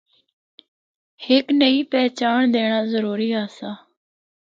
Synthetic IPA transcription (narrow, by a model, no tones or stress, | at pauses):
hɪknəiːpɛːt͡ʃaːɳd̪eːɽ̃aːzəɾuːɾiːaːsaː